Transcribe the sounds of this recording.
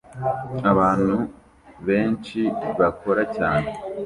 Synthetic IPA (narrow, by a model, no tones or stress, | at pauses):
aβaːn̥u | βe̞ːnt͡ʃiβakʰo̞ɾacaːne